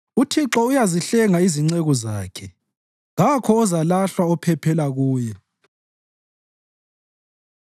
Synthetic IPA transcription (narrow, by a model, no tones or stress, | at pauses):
utʰiǁɔujaziɬɛŋaiziŋ͡ǀɛɣɔzaːkʰɛ | ɣakʰɔːzalaɬwaɔpʰɛpʰɛlaɣuːjɛ